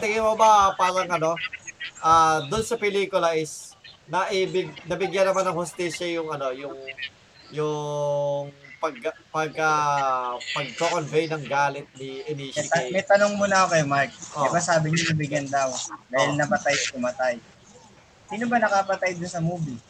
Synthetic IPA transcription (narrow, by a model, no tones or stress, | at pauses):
t̪ɪŋɪmobɐpaːɾɐŋʔɐno̞ʔaːd̪ʊnsɐpɛliːkʊlɐʔɪsnɐʔɪbɪɡnɐbɪɡjanːɐmanɐŋhʊst̪iːʃɐjʊŋɐno̞jʊŋ | jʊ | ŋpɐɡ̚pɐɡɐ | pɐɡ̚t̪okonvɛjnɐŋɡaːlɪt̪̚niʔɛnimɐjt̪ɐnoŋmʊnɐkokɐjmaɹk̚ɪbasaːbɪɲʊnɐbɪɡjɐnd̪ɐwd̪aːhɪlnɐmɐt̪ajkʊmɐt̪aj | siːnobɐnɐkapɐt̪ajd̪ʊnsɐmuːbi